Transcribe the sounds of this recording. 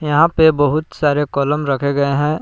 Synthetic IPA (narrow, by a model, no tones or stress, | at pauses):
jɐɦãpebɐɦʊt̪saːɾekɔːləmɾɐkʰeɡɐeɦɛ̃